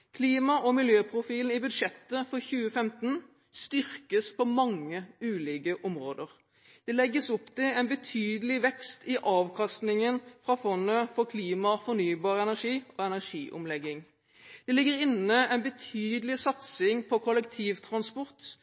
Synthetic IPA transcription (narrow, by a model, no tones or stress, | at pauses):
kʰliːmɑʔɔmɪljøːpʰɾʊfiːln̩ɪbʉd̪ʂɛt̪ːəfɔʁçʉːəfɛmt̪n̩ | st̪ʏʁkəspʰɔmɑŋːəʉːlɪːɡəʔɔmʁoːd̪əʁ | d̪̥ɛlɛɡːəsʊpt̪ɛɛnbət̪ʰyːd̪əlɪʋɛkst̪ɪʔɑːʋkʰɑst̪nɪŋənfʁɑfɔnːəfɔkʰliːmɑfɔʁnyːbɑːʁəɛnæʁʂiːɔɛnæʁʂiːʔʊ̰mlɛɡːɪŋ | d̪̥ɛlɪɡːəʁɪnəɛnbət̪ʰyːd̪əlɪsɑt̪sɪŋpʰɔkʰɔlɛkt̪ʰiːʋt̪ʰʁɑnspɔʁt̪